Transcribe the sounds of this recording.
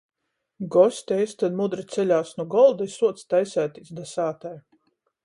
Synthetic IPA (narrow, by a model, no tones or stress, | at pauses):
ɡɔsʲt̪ʲɛjsʲt̪ad̪mud̪ɾit̪sɛlʲaːsnuɡɔlˠd̪ajsuɔt̪st̪ajsʲæːt̪isd̪asaːt̪aj